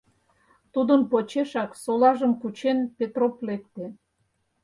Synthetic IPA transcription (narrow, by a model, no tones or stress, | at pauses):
t̪ud̪ənpot͡ɕeʃɑksolɑʒəmkut͡ɕenpet̪roplek̚t̪e